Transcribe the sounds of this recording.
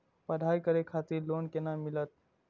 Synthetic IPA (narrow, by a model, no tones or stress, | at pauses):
pəd̪ʱajkəɾekʰat̪iɾlonkenamilət̪̚